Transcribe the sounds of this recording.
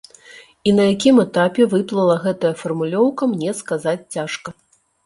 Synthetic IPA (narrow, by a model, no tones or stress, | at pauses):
inɐjakʲimɛt̪apʲɛvɨplˠɐlˠɐɣɛt̪ɐjɐfɐrmulʲɔwkɐmnʲɛskazat͡sʲt͡sʲaʂkɐ